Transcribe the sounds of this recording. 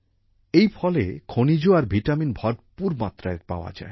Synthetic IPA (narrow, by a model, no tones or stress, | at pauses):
ejfʰɔlekʰonid͡ʑoaɾbʱiʈaminbʱɔɖpuɾmat̪ːɾaeɾpa̰oa̰d͡ʑa̰e